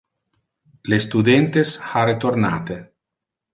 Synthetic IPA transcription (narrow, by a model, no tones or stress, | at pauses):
lest̪ud̪ent̪esharet̪oɾna̰t̪e